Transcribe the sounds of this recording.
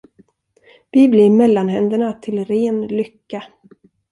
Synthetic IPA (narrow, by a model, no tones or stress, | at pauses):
v̥ɪblɪɾmɛlːanɦɛnd̪əɳat̪ʰɪlɾeːnlʏkːa